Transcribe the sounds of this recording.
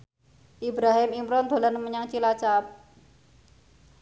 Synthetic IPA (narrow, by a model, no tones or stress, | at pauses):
ʔibɾaɦɪmimɾɔnd̪̥o̤lanəməɲaŋt͡ʃilat͡ʃap̚